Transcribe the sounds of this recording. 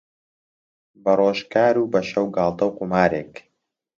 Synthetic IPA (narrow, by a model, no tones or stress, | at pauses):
bɐroːʒkaːɾuːbɐʃɐwɡaːlˠt̪ɐwqumaːɾeːk